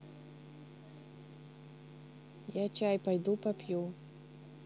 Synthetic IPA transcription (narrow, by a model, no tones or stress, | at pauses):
jat͡ʃajpajd̪upapʲju